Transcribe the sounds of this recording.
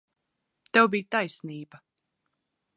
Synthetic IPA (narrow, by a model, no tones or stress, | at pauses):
t̪ɛwbiːjt̪ajsniːba